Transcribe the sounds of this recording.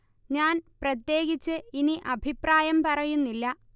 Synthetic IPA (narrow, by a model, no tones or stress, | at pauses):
ɲaːnprɐt̪je̞ːɣit͡ɕːɨiniʔɐbʱipraːjɐmpɐrɐjunːilːɐ